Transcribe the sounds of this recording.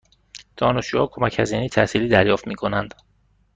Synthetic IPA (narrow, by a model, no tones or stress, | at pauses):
d̪̥ɒːnesd͡ʒuːhɒːkʰo̞mæchæziːnejt̪ʰæsiːliːd̪æɾjɒːft̪miːkʰo̞nænd̪